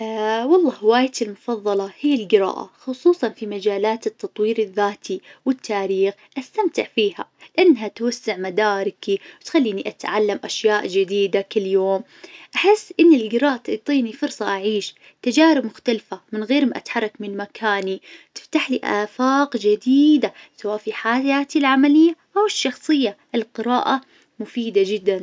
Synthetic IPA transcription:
wɑlˤːɑːhɪwaːjt̪ilmʊfɑðˤːɑlɑhijːɪlɡɪɾa̰ːʔa̰xʊsˤuːsˤɑnfimad͡ʒaːlaːt̪ɪt̪ːɑt̪ˤwiːɾɪðːaːt̪ʰiwɪt̪ʰːaːɾiːxʔast̪amt̪ɪʕfiːha̰lɪʔanːɦat̪wasːɪʕmad̪aːɾɪkiwt̪xalːiːniʔat̪ʕalːamʔaʃjaːʔd͡ʒɪd̪iːd̪akɪlːjoːm | ʔaħɪsːʔɪnːilɡɪɾɑːʔt̪ɪʕt̪ˤiːnifʊɾsˤɑʔaʕiːʃ | t̪ad͡ʒaːɾɪbmʊxt̪alfamɪnɣeːɾmaʔa̰t̪ħɑrˤːɑkmɪnmakʰaːnit̪ɪ̥ft̪aħliʔa̰ːfaːqd͡ʒad̪iːd̪asawaːʔfiħaːjaːt̪ilʕamalɪjːaʔawɪʃːɑxsˤɨjːaʔɪlqɨɾaːʔa | mʊfiːd̪ad͡ʒɪd̪ːan

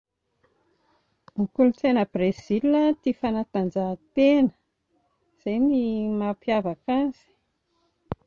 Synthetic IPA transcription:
mikulut͡s̪enəb̥rez̥ilat̪ifanat̪and͡ʒat̪enə̥ | z̥ejmimapjavakaz̥i̥

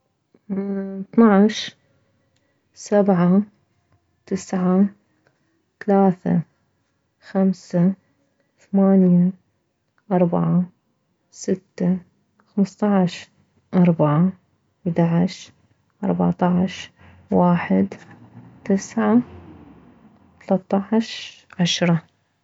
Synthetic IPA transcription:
θnaʕʃ | sabʕa | t̪ɪsʕa | θalaːθa̰ | xamsa | θamaːnja | ʔɑɾˤbaʕa | sɪt̪ːa | xamst̪ˤɑʕʃ | ʔɑɾˤbaʕa | ɪd̪aʕaʃ | ʔɑɾˤba̰ʕt̪ˤɑʕʃ | waːħɪd̪t̪ɪsʕa | t̪ɑlɑt̪ˤːɑʕʃʕaʃɾˤɑ

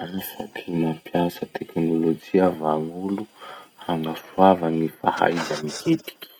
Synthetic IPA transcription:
anasa̰tinampjasət̪ʰeknolod͡ʒiavaŋuluhaŋɡasuavənifa̰ha̰izanihet̪i̥kʲi̥

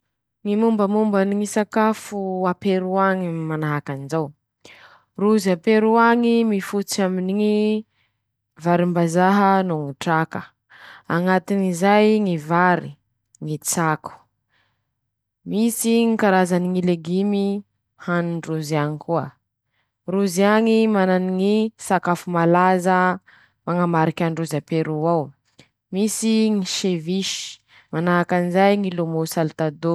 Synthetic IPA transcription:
ŋimumbəmumbəniŋisakafuapeɾuaŋimanaɦakanizaw | ruzapeɾuaŋimifut͡saminiŋi | vaɾimbazaɦənuŋiʈ͡ʂakə | aŋat̪inizajŋivaɾi | ŋit͡saku̥ | misiŋikaɾazaniŋileɡimi | hanuɳɖ͡ʐuziaŋikuə | ruziaŋimananiŋisakafumalazə | maŋamaɾikʲaɳɖ͡ʐuzapeɾuaw | misiŋiʃeviʃi̥ | manaɦakanizajŋilomosalt̪ad̪o

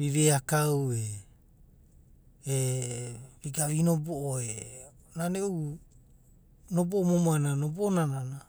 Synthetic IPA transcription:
βiβeakawe | e | ɾiɡaβinoboʔoe | naneu | noboʔomomoananoboʔonanana

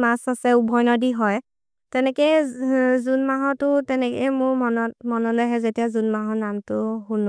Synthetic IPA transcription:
masasɛubʱɔjnɔdiɦɔj | tɛnɛkɛjzunmaɦɔtʊtɛnɛkɛmʊɹmɔnɔt̚mɔnɔlojɦɛzetiazunmaɦɔnamtʊɦunɔ

